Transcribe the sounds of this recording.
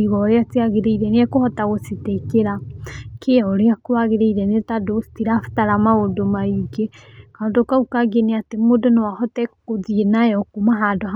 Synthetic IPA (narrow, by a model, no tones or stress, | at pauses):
iɣɔːɾeatiaɣeɾeiɾɛneɛkohɔtaɣosetekeɾakʰeɔɾeakoaɣeɾeiɾɛnetadostiɾafḁtaɾamaodomaiɡekaodokaukaɡeneatemodɔnawahɔtɛkoðienajɔkomaɦadɔ